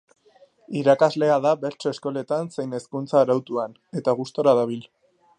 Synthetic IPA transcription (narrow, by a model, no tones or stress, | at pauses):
iɾakazle̞aðabe̞ɾt͡ʃoesko̞le̞t̪anse̞jne̞skunt͡saːɾawt̪uan | e̞t̪aɣust̪o̞ɾaðaβ̞il